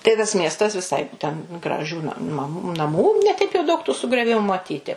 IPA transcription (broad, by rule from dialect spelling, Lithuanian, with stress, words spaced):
tɐɪ tɐs ˈmʲiɛstɐs ʋʲɪˈsɐɪ tʲɛn ɡrɐˈʒʲuː nɐ mɐm nɐˈmuː nʲɛ ˈtʲɛɪp jɛʊ dɐʊk tuː sʊɡrʲoːˈʋʲɪmʊ mɐˈtʲiːtʲɪ